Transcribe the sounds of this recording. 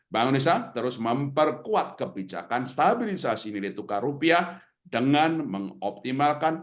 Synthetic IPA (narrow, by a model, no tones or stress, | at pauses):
baŋunis̬at̪əɾʊsməmpərkuat̪̚kəbid͡ʒa̰kanst̪abilisasinilet̪ukaɾupia | dəŋanməŋɔp̚t̪imalkan